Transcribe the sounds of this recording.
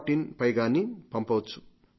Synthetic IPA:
ʈinpɐjɡaːnipɐmpɐwt͡sʰːu̥

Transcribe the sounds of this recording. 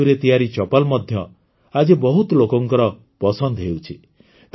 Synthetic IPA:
uɾet̪ijaɾit͡ʃɔpalmɔd̪ʱjɔ | ad͡ʒebɔɦut̪lokɔŋkɔɾɔ | pɔsɔnd̪ɦewt͡ʃʰi | t̪

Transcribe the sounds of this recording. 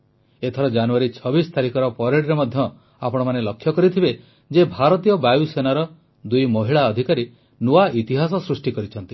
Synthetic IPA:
et̪ʰɔɾɔd͡ʒanuaɾit͡ʃʰɔbist̪ʰaɾikɔɾɔpɔɾeɽɾemɔd̪ʱjɔ | apɔɽ̃ɔmanelɔkʰːjɔkɔɾit̪ʰibe | d͡ʒebʱaɾɔt̪ijɔbajusenaɾɔ | d̪ujmɔɦiɭaɔd̪ʱikaɾi | nuaʔit̪iɦasɔsɾusʈikɔɾit͡ʃʰɔnt̪i

